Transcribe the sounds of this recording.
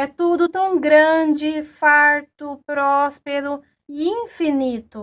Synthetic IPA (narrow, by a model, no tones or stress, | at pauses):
ɛt̪ud̪ʊt̪ɐ̃w̃ɡɾɐ̃d͡ʒɪfaɾt̪ʊpɾɔspeɾʊ | ɪĩfinit̪ʊ